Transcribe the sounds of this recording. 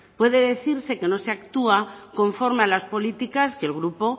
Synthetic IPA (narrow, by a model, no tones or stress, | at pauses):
pwe̞ðe̞ðe̞θiɾse̞ke̞no̞seakt̪uakõ̞ɱfo̞ɾmealaspo̞lit̪ikaske̞lɣ̞ɾupo̞